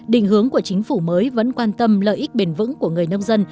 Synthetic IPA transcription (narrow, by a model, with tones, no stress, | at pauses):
ɗḭ̈˧˨ŋ̟hɨ˨˦əŋku˧˩ət͡ɕï˨˦ŋ̟fu˧˩məː˨˦jvə̰˧˥nkwaː˧nt̪ə˧mlə̰ː˧˨jʔi˦˥k̚ɓe˨˩nvɨ̰˧˥ŋku˧˩əŋɨ˨˩əjnə˧wŋ͡mzə˧n